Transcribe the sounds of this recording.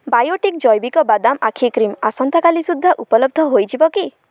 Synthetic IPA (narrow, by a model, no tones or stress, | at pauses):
bajoʈikd͡ʒɔjbikɔbad̪amakʰikɾimasɔnt̪ʰakalisud̪ʱːaʔupɔlɔb̚d̪ʱɔɦojd͡ʒibɔki